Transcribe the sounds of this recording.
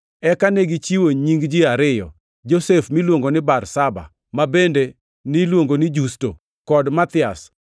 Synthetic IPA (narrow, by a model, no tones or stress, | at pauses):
ɛkaneɡit͡ʃiwoɲiŋɡd͡ʒiaɾɪjɔ̰ | d͡ʒosefmilwoŋɡonɪbarsaba̰ | mabende | nɪlwoŋɡonɪd͡ʒusto | kɔdmat̪ɪa̰s